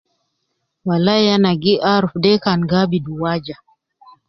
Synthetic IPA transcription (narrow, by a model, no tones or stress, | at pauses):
walajanaɡiʔaɾfdɛkanɡabiduwad͡ʒa